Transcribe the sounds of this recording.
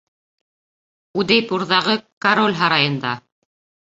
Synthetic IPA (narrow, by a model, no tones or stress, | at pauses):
ud̪æjpuɾðɑʁɤkaɾolʲɦɑɾɑjɤ̆nd̪ɑ